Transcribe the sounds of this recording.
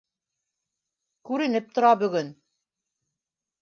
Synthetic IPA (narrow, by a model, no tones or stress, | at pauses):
kʉɾɘ̆nɘp̚t̪ŏɾɑbɵ̆ɡɵn